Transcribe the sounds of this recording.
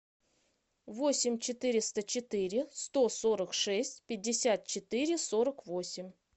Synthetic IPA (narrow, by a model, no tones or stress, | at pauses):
vosʲɪmʲt͡ɕɪt̪ɨɾʲɪst̪ət͡ɕɪt̪ɨɾʲɪst̪o̞so̞ɾəkʂɛsʲtʲpʲɪdʲːɪsʲat̪̚t͡ɕɪt̪ɨɾʲɪso̞ɾəkvo̞sʲɪmʲ